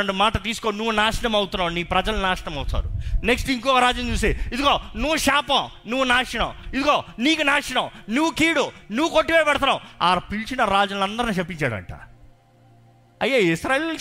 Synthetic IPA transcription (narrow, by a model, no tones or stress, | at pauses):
ɐɳɖumaːʈɐt̪̬iːsu̥koːnuʋːunaːʂɐɳɐmɐwut̪unːaːniːpɾɐd͡ʒɐlnaːʂɐɳɐmɐwut̪a̰ːɾune̞ksʈiŋkɔʋɐɾaːd͡ʒjɐmt͡ʃuːs̬eːid̪uɡoːnuʋːuʃaːpɐm | nuʋːunaːʂɐɳɐmid̪uɡoːniːkunaːʂɐɳɐmnuʋːukiːɽunuʋːuko̞ʈːipejpɛɽɐt̪ɐnːaːwaːpilt͡ʃinɐɾaːd͡ʒɐnɐnd̪ɐɾniːt͡ʃepːiɲt͡ʃaːɽɐ̰ɳʈa̰ː | ɐjːaisɾaːe